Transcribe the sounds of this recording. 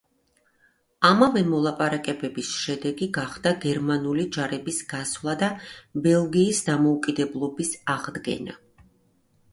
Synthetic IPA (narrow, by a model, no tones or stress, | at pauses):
amavɛmɔlˠapʼaɾakʼɛbɛbisʃɛd̪ɛɡiɡaχd̪aɡɛɾmanulid͡ʒaɾɛbisɡasvlˠad̪abɛlˠɡiːsd̪amɔukʼid̪ɛblˠɔbisaʁd̪ɡɛ̰na̰